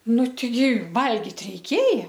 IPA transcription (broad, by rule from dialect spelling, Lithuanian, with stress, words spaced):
ˈnʊ tʲɛɪˈɡʲɪ ˈʋɐlʲɡʲɪt rʲɛɪˈkʲeːjɛ